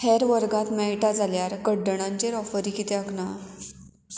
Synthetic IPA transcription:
hɛɾʋəɾɡat̪mɛɭʈad͡zaljaɾkəɖːəɳ̃ãɲt͡ɕeɾɔfəɾiːkit̪eəkna

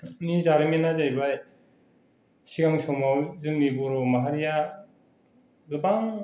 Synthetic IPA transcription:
nizaɾimenazajbaj | siɡaŋsɔmawzɯŋnibɔɾɔmaɦaɾija | zɯbaŋ

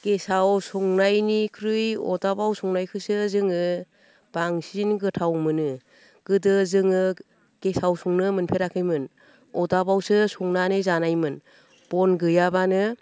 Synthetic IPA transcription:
kesawsuŋnajnikʰɾɯjɔ̰dabawsɔŋnajkʰɯsɯzɯŋɯ | b̥aŋsinɡɯtʰawmɯnɯ | ɡ̥ɯdɯzɯŋɯ | kesawsuŋnɯmɯnpʰeɾakʰɯjmɯn | ɔdabawsɯsuŋnanɯzanajmɯn | b̥ɔnɡɯjabanɯ

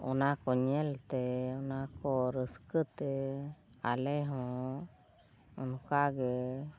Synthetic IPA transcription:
ɔ̰nakɔɲɛlt̪ɛɔnakɔɾəskət̪ɛ | alɛɦɔ̃ | ɔ̰nɔkaɡɛ

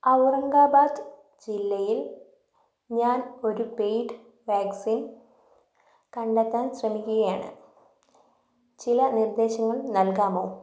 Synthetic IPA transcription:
ɐwrɐŋɡaːbaːd̪ɨ | d͡ʑilːɐjil | ɲaːno̞ɾupejʈɨ | ʋaːksiːn | kɐɳɖet̪ːaːnɕrɐmikʲːuɣɐjaːɳɨ̰ | t͡ɕilɐnird̪e̞ːɕɐŋːɐɭnɐlkaːmo̞̰ː

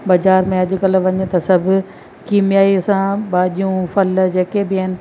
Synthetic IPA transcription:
bɐzaːɾmẽɐd͡ʑʊ̆kɐl̆ʋɐɲət̪ɐsɐbʱʊ̆ | kiːmjaːisãɓaːʄijũfɐld͡ʑeːkebɪɐɦɪnɪ̆

